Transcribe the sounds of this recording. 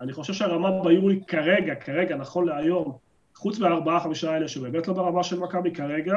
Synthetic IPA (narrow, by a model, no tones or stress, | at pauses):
aniχo̞ʃevʃeaʁamabajuikaʁeɡakʰaʁe̞ɡanaχo̞nleajo̞m | χut͡smeaʁbaaχamiʃaele̞ʃebeːmetlo̞beʁamaʃelmakabikaʁeɡa